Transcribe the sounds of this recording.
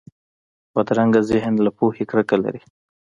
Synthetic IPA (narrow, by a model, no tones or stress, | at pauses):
wad̪ɾaŋɡazɪɦnlapohekɽəkala̰ɾi